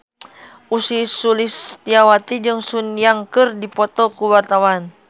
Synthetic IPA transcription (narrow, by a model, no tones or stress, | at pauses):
ʔusisulist̪iawat̪id͡ʒɨŋsunjaŋkɨrdipɔt̪ɔkuwart̪awan